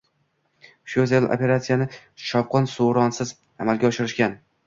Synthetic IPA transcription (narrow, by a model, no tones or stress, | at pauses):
ʃozelo̰pʲe̞ɾat̪sijanɪ | ʃɒw̚qʰɒnsoɾɒnsɪz | amalɡʲaɒʃɪɾɪʃkʲan